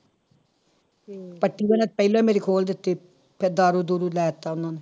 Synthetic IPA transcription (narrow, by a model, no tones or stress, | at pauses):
pəʈːiːʋənãːt̪̚pəilõːɛːmeːɾiːkʰoːld̪ɪt̪ːeː | pʰɪɾd̪aːɾuːd̪uːɾulɛːt̪ːaːʊnːãːnu